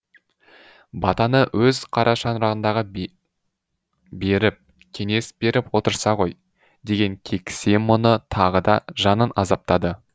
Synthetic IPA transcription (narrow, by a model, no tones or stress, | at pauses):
bɑt̪ɑnəwʔɵzqʰɑɾʔɑʃɑnɾɑʁənd̪ɑʁə | be̞ɾɪp̚ | kʲʰe̞ŋe̞sbe̞ɾɪpwo̞t̪əɾsɑʁo̞j | d̪e̞ɡʲe̞ŋkʲʰe̞kʲse̞nmʊnət̪ʰɑʁəd̪ɑʒɑnənɑzɑp̚t̪ɑd̪ə